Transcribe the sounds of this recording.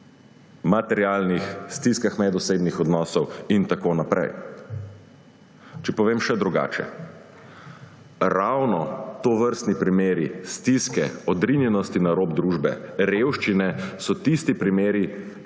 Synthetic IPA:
mat̪ɛɾjalnixst̪iskaxmɛd̪useːbnixɔd̪nɔːsɔwint̪akoːnapɾɛ̰j | t͡ʃɛpɔʋeːmʃɛd̪ɾuɡa̰ːt͡ʃɛ̰ | ɾawnɔt̪oʋəɾst̪nipɾimeːɾist̪iskɛ̰ɔd̪ɾinjɛnɔst̪inaɾoːbd̪ɾuːʒbɛɾewʃt͡ʃinɛsɔt̪ist̪ipɾimeːɾi

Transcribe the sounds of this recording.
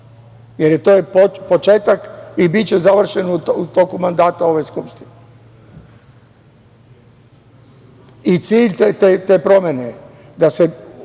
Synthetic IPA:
jeɾjet̪oːjepopo̞t͡ʃeːt̪akibitt͡ɕezaʋr̩ʃe̞nuut̪o̞kumand̪aːt̪ao̞ʋejskupʃt̪ine | it̪siːʎet̪et̪eːpɾo̞mʲjene | d̪ase̞

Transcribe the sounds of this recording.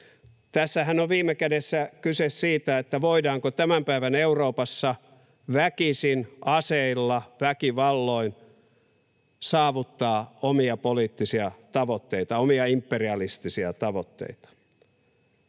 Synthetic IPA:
t̪æsːæhænoʋʋiːmˑekædesːækysessiːt̪æet̪ːæʋoidɑːŋkot̪æmæmpæiʋæneuroːpɑsːɑ | ʋækisinʔɑseilːɑʋækiʋɑlːoin | sɑːʋut̪ːɑːomiɑpoliːt̪ːisiɑt̪ɑʋot̪ːeit̪ɑomiɑimpːeriɑlist̪isiɑt̪ɑʋot̪ːḛit̪ɑ̥

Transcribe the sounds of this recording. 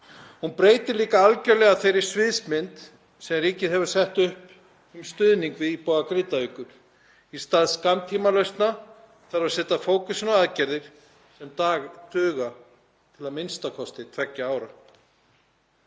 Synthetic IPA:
hunpɾeːjt̪ɪliːkaalcœɾlɛɣaθejɾɪɾ̥svɪðsmɪnt̪ | sɛmriːcɪðɦɛvʏɾ̥sɛht̪ʏhp | ʏmst̪ʏðniŋkvɪðipɔːɣakɾɪt̪aʏːkʏɾ̥ | ist̪aːðskamt̪ʰiːmalœɥst̪na | θaɾḁsɛːt̪afoːwkʏsɪnaaðcɛɾðɪɾ̥ | sɛmt̪aːɣt̪ʏːɣa | t̪ʰɪlaðmɪnst̪akʰɔst̪ɪt̪ʰvɛcːaaːwɾa

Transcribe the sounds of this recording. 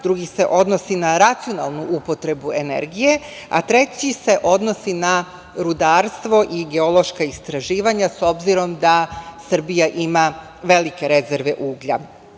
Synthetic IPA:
d̪ɾuɡise̞ʔo̞d̪no̞sinaɾat̪sio̞nalˠnuʔupo̞t̪ɾe̞bue̞ne̞̰ɾɡije̞ | a̰t̪ɾe̞t͡ɕise̞ʔo̞d̪nosina | ɾud̪aːɾst̪ʋo̞ʔiɡe̞o̞lˠo̞ʃkaist̪ɾaʒiːʋaɲaso̞bziɾo̞md̪asr̩bijaʔima | ʋe̞like̞ɾe̞ze̞ɾʋe̞ʔuːɡʎa̰

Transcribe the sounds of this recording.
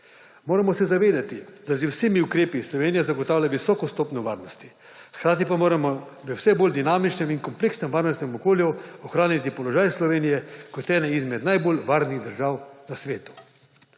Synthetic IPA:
moːɾamɔsɛzaʋeːd̪at̪id̪azwseːmiukɾeːpislɔʋeːnijazaɡoɔt̪aːwlʲjaʋisɔːkɔst̪oːpnɔʋaːɾnɔst̪i | xkɾaːt̪ipamoːɾamɔzɛwsɛboːld̪inaːmit͡ʃnɛminkɔmpleːksnɛmʋaːɾnɔst̪nɛmɔkoːljuɔxɾaːnit̪ipɔlɔʒaːjslɔʋeːnijɛkɔt̪ɛːnɛizmɛd̪najboːlʋaːɾniɣd̪əɾʒaːwnasʋeːt̪u̥

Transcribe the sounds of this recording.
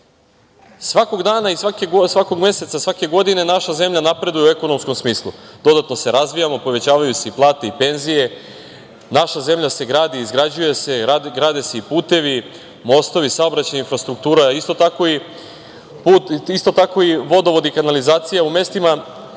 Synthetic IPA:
sʋako̞ɡd̪aːnaisʋakesʋako̞ɡme̞se̞t̪sasʋake̞ɡo̞d̪ine̞naʃaze̞mʎanapɾe̞d̪ujee̞ko̞nomsko̞msmiːslˠud̪̥o̞d̪at̪no̞se̞ɾazʋijamopo̞ʋe̞t͡ɕaːʋajuse̞iplˠaːt̪e̞ipe̞nzije̞ | naʃaze̞mʎase̞ɡɾaːd̪iːzɡɾad͡ʑuje̞se̞ɡɾaːd̪ese̞ipuːt̪e̞ʋi | mo̞st̪o̞ʋisaobɾat͡ɕajinfɾast̪ɾuk̚t̪uːɾaist̪o̞t̪ako̞i | puːt̪ist̪o̞t̪ako̞iʋo̞d̪o̞ʋo̞d̪ikanalizaːt̪sijaume̞st̪ima

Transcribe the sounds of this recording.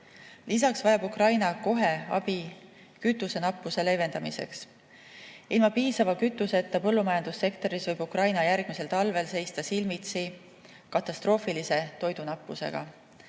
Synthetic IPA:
lis̬ɑksvɑjɑbukrɑjnɑko̞ɦe̞ɑ̰b̥i | kyt̪ːˑuse̞nɑpːˑuse̞le̞jve̞nd̪̥ɑmise̞̰ks | ilmɑpiːsɑvɑkyt̪ːˑuse̞t̪ːˑɑpɤlːumɑjɑnd̪̥usːe̞kt̪o̞ɾisvɤjb̥ukrɑjnɑjærɡ̥mise̞lt̪ɑlve̞lse̞jst̪ɑsilmit̪si | kɑt̪ːˑɑst̪ro̞ːfilise̞t̪o̞jd̪̥unɑpːˑuse̞̰ɡ̥ɑ̰

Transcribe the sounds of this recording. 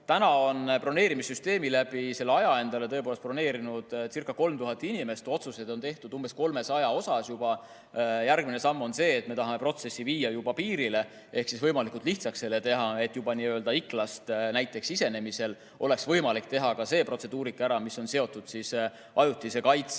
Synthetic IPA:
t̪ænɑo̞npro̞ne̞ːɾimisːyst̪e̞ːmilæb̥ise̞lːɑjɑe̞nd̪̥ɑle̞t̪ɤepoːlest̪pro̞ne̞ːɾinud̪̥sirkːˑɑko̞lmt̪uɦɑt̪ːˑinʲime̞st̪o̞t̪suse̞d̪o̞nt̪e̞ht̪ud̪umb̥e̞sko̞lme̞sɑjɑo̞sɑsjub̥ɑ | jærɡ̚mine̞sɑmːo̞nse̞ːt̪ːme̞t̪ɑɦɑme̞pro̞t̪se̞sːiviːjɑjubɑpiːɾile̞ | e̞hksisvɤjmɑlikˑult̪ˑliht̪sɑkse̞lːet̪e̞ɦɑe̞t̪ːˑjubɑniːøld̪ɑikˑlɑst̪næjt̪ˑːe̞ksise̞ne̞mise̞l | o̞le̞ksvɤjmɑlikt̪e̞ɦɑkɑse̞ːpro̞t̪se̞d̪uːɾikːˑæɾɑmisːo̞nse̞o̞t̪ːˑud̪̥sis | ɑjut̪ːˑise̞kɑjt̪s

